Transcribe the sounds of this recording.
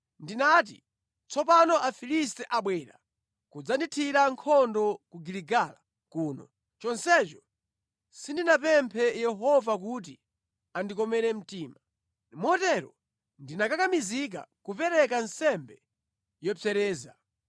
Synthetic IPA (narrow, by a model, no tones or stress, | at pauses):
ndinat̬ḭ | t͡sɔpanɔʔafilis̬tɛʔaɓwɛːɾa̰ | kud͡zanditʰiɾaŋkʰɔndɔkuɡiliɡaːla | kuːnɔ̰ | t͡ʃɔnsɛt͡ʃɔ | sindinapɛmpʰɛjɛɦɔvak̬ut̬i | andikɔmɛɾɛm̩tiːma | mɔtɛɾɔ | ndinakakamizik̬a̰kupɛɾɛk̬ansɛmbɛ | jɔpɛɾɛːza